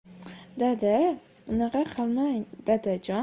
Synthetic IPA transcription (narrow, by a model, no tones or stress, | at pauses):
d̪ad̪a | ʊnɑqɑqʰɨlˠmaŋd̪̥ad̪ad͡ʒɒ